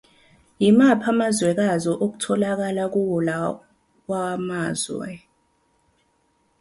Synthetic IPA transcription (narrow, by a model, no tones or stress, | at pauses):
jimapʰamazwɛk̬azɔʔok̬u̥tʰɔlak̬alak̬uwula | k̬wamaːzwɛ̰